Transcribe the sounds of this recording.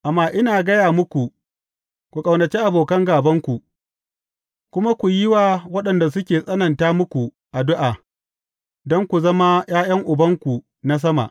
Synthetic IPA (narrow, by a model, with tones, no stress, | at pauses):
ʔa˨mːaː˦ʔɪ˦naː˨ɡɐ˦jaː˨mʊ˦kʷu˨ | kʷu˨kʼɐ˨wnɐ˨t͡ʃi˦ʔa˨boː˨kɐ˦ŋɡaː˨bɐ˦ŋkʷu˨ | kʷʊ˦ma˦kʷu˨jɪ˦waː˨wɐ˦ɗɐ˨nda˨s̬ʊ˦kʲeː˨sʼɐ˦nɐ˨ntaː˦mʊ˦kʷu˨ | ʔa˨dʊ˦ʔaː˨ | dɔ˦ŋkʷu˨zɐ˦ma˦j̰aː˦j̰ɐ˦ŋʔʊ˨bɐ˦ŋkʷu˨ | na˦s̬ɐ˦ma̰˨ʔ